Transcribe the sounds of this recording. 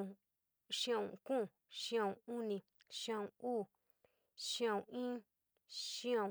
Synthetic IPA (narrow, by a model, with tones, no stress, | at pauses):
ʃã˦˧˨ṵ̃˨kũ˦˨ | ʃĩ˦ã˧˨ũ˧u˦nĩ˧ | ʃĩ˦ã˦˧˨ũ˧uː˦˨ | ʃĩ˦ã˧˨ũ˨˧˨ĩ˦ | ʃĩ˦ã˧